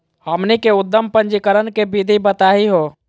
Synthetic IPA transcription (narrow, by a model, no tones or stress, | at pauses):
həmnikeud̪ːəmpə̃nd͡ʒikəɾənkebid̪ʱibət̪aɦiɦo